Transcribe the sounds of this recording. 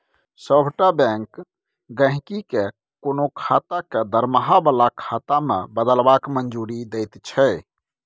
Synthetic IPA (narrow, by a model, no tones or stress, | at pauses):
səbʱʈabɛ̃ŋk | ɡə̃ɦɪ̃kike | konokʰat̪aked̪əɾməɦabalakʰat̪amḛbəd̪əlbakmənd͡ʒuɾid̪eɪt̪t͡ʃʰɛ